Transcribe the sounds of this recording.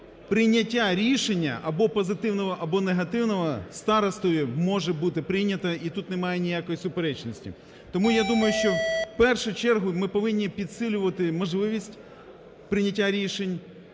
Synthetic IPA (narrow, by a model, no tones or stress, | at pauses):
pɾɪnʲɐtʲːaɾʲiʃenʲːɐ̰ʔɐbɔpɔzɪt̪ɪwnɔʋɔʔɐbɔneɦɐt̪ɪwnɔʋɔst̪ɑɾɐst̪ɔjimɔʒɛbut̪ɪpɾɪjnʲɐt̪ɐit̪ut̪nɪmɑjenʲijakɔjisʊpeɾɛt͡ʃnɔsʲtʲḭ | t̪ɔmujad̪umɐjʊʃt͡ʃɔpɛrʃʊjt͡ʃɛrɦʊmɪpɔʋɪnʲːipʲid̪sɪlʲʊʋɐt̪ɪmɔʒlˠɪʋʲisʲtʲ | pɾɪnʲɐtʲːaɾʲiʃenʲ